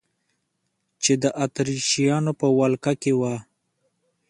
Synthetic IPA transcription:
t͡ʃed̪əʔat̪ɾiʃijɑnopəwalkakewa

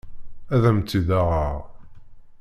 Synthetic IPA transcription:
æðæmt͡sːiðaʁaʁ

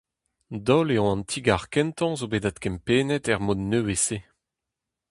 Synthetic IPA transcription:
dɔleɔ̃ɑ̃nt̪ʰiɡaʁkɛ̃nt̪ɑ̃zobeːdat̪̚kɛmpeːnɛtɛʁmodnøwese

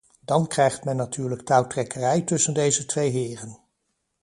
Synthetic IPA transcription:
d̥ɑnkrɛjχtmɛnːatyːɹləktawtrɛkərɛjtɵsəndejzətʋejɦɪːrən

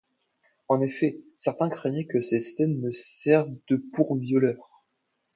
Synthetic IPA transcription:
ɑ̃nefɛsɛʁt̪ɛ̃kχɛɲɛkəsesɛnməsɛʁvd̪əpuʁvjɔlœːʁ

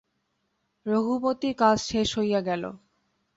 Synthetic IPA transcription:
ɾoɦubot̪ikad͡ʑʃeʃɦojaɡɛlo̰

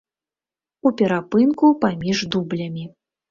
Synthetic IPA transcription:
upʲɛɾapɨnkupamʲiʐd̪ublʲɐmʲi

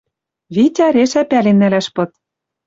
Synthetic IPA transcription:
βitʲɑɾeʃæpælenːælæʃpɤ̆t̪

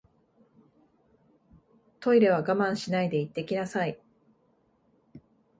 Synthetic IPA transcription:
t̪o̞iɾe̞β̞aɡamãɰ̃ɕinaid̪e̞it̪ːe̞kʲinasai

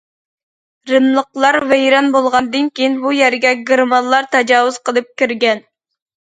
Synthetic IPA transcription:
ɾɪmlˠəqlˠɑɾvɛjɾɑnbolˠʁɑnd̪ɨnkʲʰijinbujɛɾɡʲɛɡʲɨɾmɑnlˠɑɾt̪ʰɛd͡ʒɑːwuz̥qʰəlˠɨp̚kʲiɾɡʲɛn

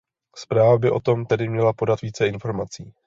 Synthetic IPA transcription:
spɾaːvbɪʔo̞t̪o̞mt̪ɛdɪmɲɛlapo̞dat̪viːt͡sɛɪnfo̞ɾmat͡siː

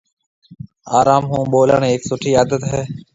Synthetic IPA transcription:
aːɾaːmɦũːɓoːləɳeːksʊʈʰiːaːd̪ət̪ɦɛː

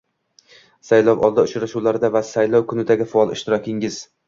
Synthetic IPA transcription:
sajlɒwɒ̰lˠd̪aʊt͡ʃɾaʃuwlaɾɪd̪avasajlˠɒwkʰʊnɪd̪aɡʲɪfaɒlˠɪʃt̪ɪɾɒkʲʰɪŋɪz̥

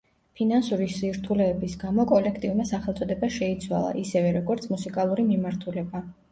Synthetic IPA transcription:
pʰinansuɾisiɾt̪ʰulɛːbisɡamɔkʼɔlɛkʰt̪ʼiumasaχɛlˠt̪sʼɔd̪ɛbaʃɛit̪sʰwa̰lˠa̰ʔisɛvɛɾɔɡɔɾt̪sʰmusikʼalˠuɾimimaɾt̪ʰulɛba

